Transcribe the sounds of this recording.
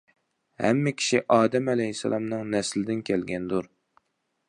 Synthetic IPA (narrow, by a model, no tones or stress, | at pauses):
hæ̰mːɪkʲʰi̥ʃiʔɑːd̪ɛmɛlɛɦisːɛ̰lˠɑmnɨŋnɛslɪd̪ɪnkʲʰɛlɡʲɛnd̪uɾ